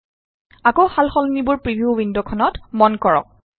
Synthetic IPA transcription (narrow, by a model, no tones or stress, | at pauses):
akowxalxɔlnibʊɹpɹibiuwindɔkʰɔnɔtmɔnkɔɹɔ̰k̚